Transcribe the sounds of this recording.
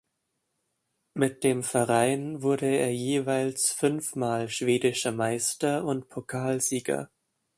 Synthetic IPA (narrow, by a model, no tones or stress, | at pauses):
mɪt̚d̥eːmfɛɐʁaɪnvʊɐdəeːɐjeːvaɪlsfʏnfmaːlʃv̥eːdɪʃɐmaɪstɐʊntpʰokʰaːlziːɡɐ̰